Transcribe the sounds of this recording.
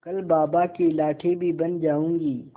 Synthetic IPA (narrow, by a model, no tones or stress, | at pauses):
kɐlbaːbakelaːʈʰebʱibɐnd͡ʒaːũːŋɡiː